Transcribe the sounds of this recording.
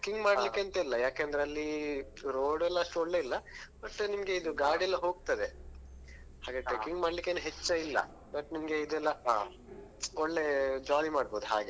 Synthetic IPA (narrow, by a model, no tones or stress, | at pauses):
kiŋɡmaːɽlikːeɐnt̪ɐilːɐjaːkeɐnd̪ɾeɐlːi | ɾoːɽɛlːɐɐʂʈuɔɭːe̞ilːɐbɐʈːnimɐɡe̞id̪uɡaːɾɖɛlːɐɦo̞ːɡ̚t̪ɐd̪e | haːɡɐʈːekiŋɡmaːɖlikːenuɦet͡ʃːɐilːɐ̰ | bɐʈnimɐɡeid̪ɛlːɐ | ɔɭːe̞d͡ʒaːlimaːɽbo̞ːd̪uɦa̰ːɡe